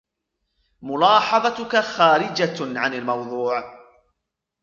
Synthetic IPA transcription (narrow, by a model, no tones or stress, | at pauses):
mʊlɑːħɑðˤɑt̪ʊkaxaːɾɪd͡ʒaʕanalmɑwðˤuːʕ